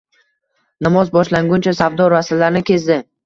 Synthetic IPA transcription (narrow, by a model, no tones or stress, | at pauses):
namɒzbɒʃlaŋɡʊnt͡ʃʰasavd̪ɒɾasalaɾnɪkʲʰe̞zd̪ɪ